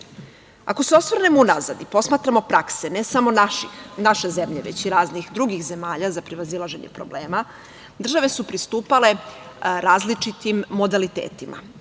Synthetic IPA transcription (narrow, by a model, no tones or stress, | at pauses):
a̰ko̞seo̞sʋrɾne̞mounaza̰d̪ipo̞smaːt̪ɾamo̞pɾakse̞ne̞samoinaʃe̞ze̞mʎe̞ʋet͡ɕiɾaːznixd̪ɾuɡixze̞maːʎazapɾiʋazilˠaʒe̞ɲḛpɾo̞ble̞ːma | d̪r̩ʒaʋe̞supɾist̪uːpale̞ | ɾaːzlit͡ʃit̪imːo̞d̪alit̪ḛːt̪imʔa̰